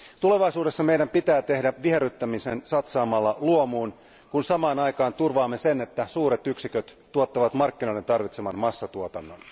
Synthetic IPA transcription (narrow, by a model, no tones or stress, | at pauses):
t̪ule̞ʋɑisuːde̞sːɑme̞jɾæmpit̪æːt̪e̞hdæʋiɦeryt̪ːæmisensɑt̪sɑːmɑlːɑluomuːn | kunsɑmɑːnɑjkɑːnt̪urʋɑːmːe̞se̞ne̞t̪ːæsuːɾet̪yksikøt̪ːuot̪ːɑʋɑt̪mɑrkːinolːe̞nt̪ɑrʋit̪se̞mɑnmɑsːɑt̪uot̪ɑnːo̰n